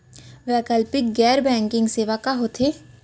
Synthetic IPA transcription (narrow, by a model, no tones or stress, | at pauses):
ʋɛːkəlpɪk̚ɡɛːɾbɛ̃ːŋkɪ̃ŋɡseːʋakaɦoːt̪ʰeː